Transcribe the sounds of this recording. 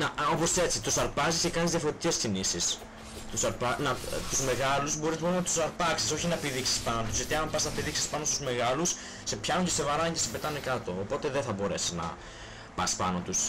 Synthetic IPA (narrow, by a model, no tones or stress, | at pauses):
nɐo̞po̞se̞t͡sit̪usɐɾpɐzisce̞kɐnizðjɐfoɾet̪i̥ce̞scinisis | t̪usɐɾpɐnɐt̪uzme̞ɣɐluzbo̞ɾisnpɐnɐt̪usɐɾpɐksiso̞çinɐepiðiksi̥spɐnot̪uzʝɐt̪iɐmpɐsnɐpiðiksi̥spɐno̞st̪uzme̞ɣɐlus | se̞pçɐnuɲcese̞vɐɾɐcesepe̞t̪ɐnekɐt̪o̞ːpo̞t̪e̞ðeθɐbo̞ɾe̞siznɐ̰ | pɐ̰spɐ̰not̪us